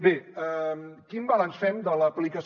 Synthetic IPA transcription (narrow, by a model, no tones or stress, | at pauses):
beəmkinbəlansfɛmd̪ələːplikəs